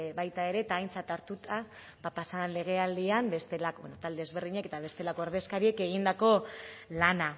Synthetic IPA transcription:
βajt̪ae̞ɾe̞t̪aːjnt͡sat̪aɾt̪ut̪as | papasaanle̞ɣ̞e̞ald̪iambe̞st̪elakbenot̪ald̪ezβe̞rðiɲake̞t̪aβ̞e̞st̪e̞lako̞eɾðe̞skaɾie̞ke̞ɣ̞ind̪ako̞lana

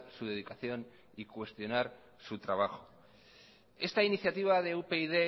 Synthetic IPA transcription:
suð̞e̞ð̞ikaθjo̞n | ikwe̞st̪jo̞naɾ | sut̪ɾaβ̞axo̞̥ | e̞st̪ainiθjat̪iβ̞aðe̞upe̞iðe

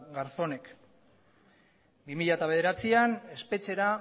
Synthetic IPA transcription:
ɣaɾso̞ne̞k | bimiʎat̪aβe̞ð̞eɾat͡siane̞spe̞t͡se̞ɾa

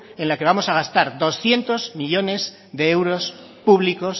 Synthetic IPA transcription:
e̞nlake̞βamo̞saɣ̞ast̪aɾd̪osθje̞nt̪o̞zmiʎo̞ne̞z | ðe̞ewɾo̞s | puβliko̞s

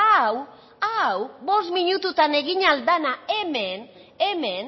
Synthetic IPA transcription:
aw | awbo̞st̪miɲut̪ut̪ane̞ɣiɲald̪anae̞men | eme̞n

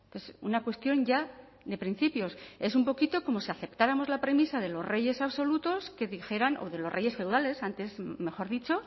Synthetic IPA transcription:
pesṵnakwe̞st̪jo̞ɲɟ͡ʝa | ðe̞pɾin̟θipjo̞se̞sumpo̞kit̪o̞ko̞mo̞siaθe̞pt̪aɾamo̞zlapɾe̞misaðe̞lo̞zre̞je̞saβso̞lut̪o̞ske̞ðixe̞ɾanʔo̰ðe̞lo̞sre̞je̞sfewðale̞sant̪e̞sme̞xo̞ɾðit͡ʃo̞

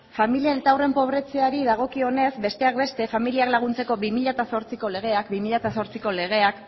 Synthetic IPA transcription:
familienet̪awre̞mpo̞β̞ɾe̞t͡se̞aɾiðaɣ̞o̞kio̞ne̞zbe̞st̪e̞ak̚be̞st̪e̞familiaklaɣ̞unt͡se̞ko̞bimiʎat̪aso̞ɾt͡siko̞le̞ɣ̞e̞akbimiʎat̪aso̞ɾt͡siko̞le̞ɣ̞e̞ak

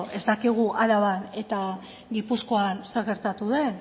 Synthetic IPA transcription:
e̞zt̪akiɣ̞uʔalaβane̞t̪a | ɡipusko̞anseɣe̞ɾt̪at̪uðe̞

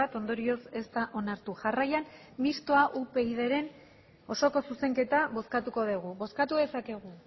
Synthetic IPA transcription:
at̪o̞nd̪o̞ɾio̞se̞st̪aʔo̞naɾt̪uʝarajan | mist̪oaʔupe̞iðe̞ɾe̞n | o̞so̞ko̞suse̞ŋke̞t̪aβo̞skat̪uko̞ðeɣ̞uβo̞skat̪uðe̞sake̞ɣ̞u

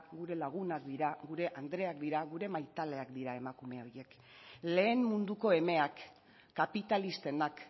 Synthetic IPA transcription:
ɡuɾe̞laɣ̞unakd̪iɾaɣuɾe̞ʔand̪ɾe̞akd̪iɾaɣuɾe̞majt̪ale̞akd̪iɾae̞makume̞o̞ɾje̞k | le̞ːmmund̪uko̞e̞me̞akː | apit̪alist̪e̞nak

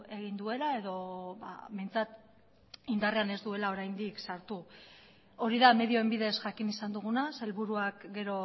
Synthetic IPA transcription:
e̞ɣ̞ind̪ue̞lae̞ðo̞βa̰βe̞jnt͡sat̪ | ind̪are̞ane̞zd̪ue̞lao̞ɾajnd̪iksaɾt̪u | o̞ɾiðame̞ðio̞embiðe̞sʝakinisand̪uɣ̞unase̞lβuɾuakɡe̞ɾo̞

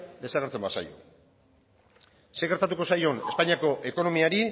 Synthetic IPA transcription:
d̪e̞saɣeɾt͡se̞mbasa̰jo̞̰ | seɣeɾt̪at̪uko̞sajo̞ne̞spaɲiako̞ʔe̞ko̞no̞miaɾi

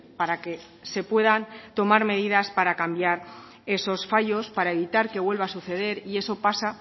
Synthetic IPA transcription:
paɾake̞ | se̞pwe̞ðant̪o̞maɾme̞ð̞iðaspaɾakambjaɾ | e̞so̞sfaʝo̞spaɾae̞β̞it̪aɾke̞βwe̞lβasuθe̞ð̞e̞ɾie̞so̞pasa

